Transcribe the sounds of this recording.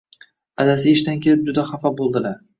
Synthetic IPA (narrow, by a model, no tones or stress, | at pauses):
ad̪asɪeʃt̪ankʲʰe̞lɪp̚d͡ʒʊd̪aχafɒbolˠd̪ɪlaɾ